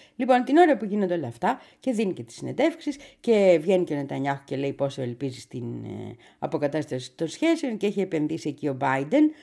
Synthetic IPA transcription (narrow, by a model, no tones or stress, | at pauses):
lipo̞nt̪ino̞ɾɐpuʝinond̪eolɐft̪ɐ | ce̞ðinice̞t̪i̥sːine̞nd̪e̞fksisce̞vʝe̞nicenet̪ɐɲɐxo̥ce̞le̞ipo̞soelpizist̪in | ɐ̰po̞kɐt̪ɐst̪ɐsi̥t̪o̞nsçe̞sio̞nceeçiepe̞nðisiecio̞bɐid̪e̞n